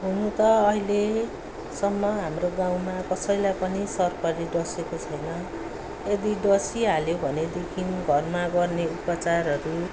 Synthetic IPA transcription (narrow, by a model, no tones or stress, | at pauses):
ɦunut̪ʌːɦile | sʌmːʌɦamroɡãw̃makʌsʌjlajpʌnisʌrpʌɾiɖʌsekot͡sʰʌjnʌ | ed̪iɖʌsiɦaljobʱʌned̪ekʰinɡʱʌrmaɡʌrneupʌt͡sarɦʌɾu